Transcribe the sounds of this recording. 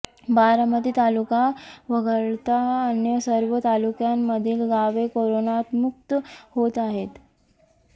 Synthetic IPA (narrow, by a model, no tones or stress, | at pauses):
baɾəmət̪iːt̪alukaʋəɡəɭt̪aənjəsəɾʋət̪alukjamːəd̪ʱiːlɡaʋekoɾonat̪muk̚t̪əhot̪aɦet̪